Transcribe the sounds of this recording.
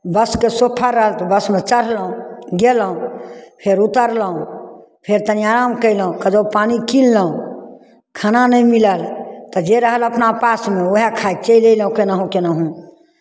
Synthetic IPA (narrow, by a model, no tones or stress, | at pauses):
bəskesopʰaɾəɦəlt̪ɔbəsmet͡ʃəɾ̤ləɦũɡelɦũpʰeɾut̪əɾləɦũ | pʰeɾt̪əniaɾamkəɪlɦũkəd͡ʒəpanikilːəɦũ | kʰananəjmiləlt̪ɔd͡ʒeɾəɦələpnapasmeoɦekʰat͡ʃəjlejlɦũkenəɦũkenəɦũ